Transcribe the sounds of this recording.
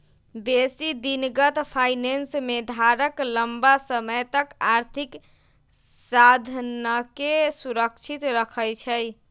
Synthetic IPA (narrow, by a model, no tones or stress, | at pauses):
besid̪inɡət̪pʰajnensmed̪ʱaɾəkləmbasəməjt̪əkaɾt̪ʰik | sad̪ʱnəkesuɾəkt͡ʃʰit̪ɾəkʰəjt͡ʃʰəj